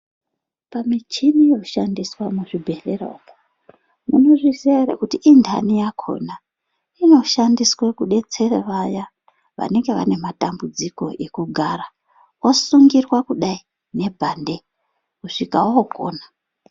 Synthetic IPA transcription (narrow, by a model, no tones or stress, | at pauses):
pamit͡ʃinijo̞ʃandiswamuʐibʱe̞lero̰ko | mṵno̞ʐisiaɾḛkutiʔːndʰʱa̰nijakʰo̞̰na | ino̞ʃandiswekuɗe̞t͡se̞reʋaja | ʋa̰ne̞ŋɡe̞ʋa̰ne̞matambud͡ziko̞̰ʔekuɡʱara | wosuŋɡirwakuɗai | ne̞bʱande̞ | kuʂikawaoko̰ːna